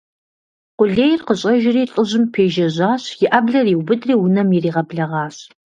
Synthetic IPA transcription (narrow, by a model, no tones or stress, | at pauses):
qʷʊɮeːjɪrqəɕʼɐʒɪriːɬʼɨʑɪmpʰeːʒɐʑaːɕjɪʔɐbɮɐriːwbɨdriːwʊnɐmjiriːʁɐbɮɐʁɑːɕ